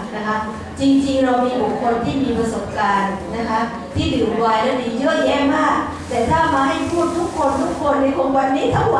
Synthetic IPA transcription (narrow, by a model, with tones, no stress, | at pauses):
na˦˥kʰa˦˥p̚ | t͡ɕi˧ŋt͡ɕi˧ŋɾa˧wmiː˧bu˨˩kʰːo˧nt̪ʰiː˥˩miː˧pɾa˧so˨˩p̚kaː˧nːa˦˥kʰa˦˥p̚ | t̪ʰiː˥˩diː˨˩˧waː˧jlɛː˦˥diː˨˩jɯ˦˥˩əjɛː˥˩maː˥˩k̚ | t̪ɛː˨˩t̪ʰaː˥˩maː˧ɦa˥˩jpʰuː˥˩t̪ʰːu˦˥kʰːo˧nt̪ʰu˦˥kʰːo˧nːa˧˥˩jʔo˧˥ŋwa˧nːiː˦˥t̪ʰa˦˥˩ŋa˦˧